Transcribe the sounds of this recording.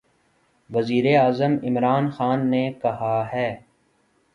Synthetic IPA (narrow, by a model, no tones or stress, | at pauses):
ʋɐziːɾeaːzəmɪmɾaːnxaːnːekɐɦaɦɛː